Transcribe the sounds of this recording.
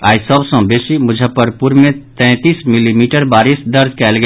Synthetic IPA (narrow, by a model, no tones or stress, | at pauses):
aːisəbsə̃besimʊd͡ʒʱəpəɾpuɾmet̪ɛ̃t̪ismilimiʈəɾbaɾisd̪əɾd͡ʒʱkɛlɡe